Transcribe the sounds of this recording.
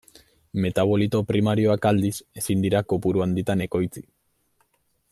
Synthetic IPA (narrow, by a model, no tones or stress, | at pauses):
me̞t̪aβ̞o̞lit̪o̞pɾimaɾio̞akald̪ise̞sind̪iɾako̞puɾuand̪it̪ane̞ko̞jt͡si̥